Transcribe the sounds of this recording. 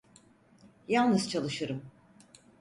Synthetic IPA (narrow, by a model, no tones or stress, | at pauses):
jalˠnɯz̥t͡ʃʰalˠɯʃɯɾɯm